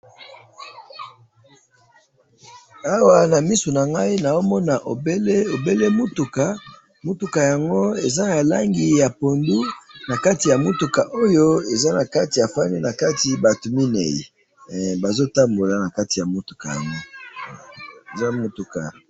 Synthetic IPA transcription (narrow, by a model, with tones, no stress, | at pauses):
a˦wa˨na˨mi˦so˨na˨ŋɡa˦i˦na˨zo˦mɔ˦na˨ʔo˨be˦le˦o˨be˦le˦mu˦tu˨ka˨ | mu˦tu˨ka˨ja˨ŋɡo˦e˨za˦ja˨la̰˦ŋɡi˨ja˨po˨ndu˦na˨ka˦ti˨ja˨mu˦tu˨ka˨ʔo˦jo˦e˨za˦na˨ka˦ti˨ja˨fa˦ni˦na˨ka˦ti˨ba˨tu˨mi˦nḛ˨jḭ˨ | ba˨zo˦ta˦mbo˨la˨na˨ka˦ti˨ja˨mo˦tu̥˨ka̰˨ja̰˨ŋɡo˦ | e˨za˦mo˦tu˨ka̰˨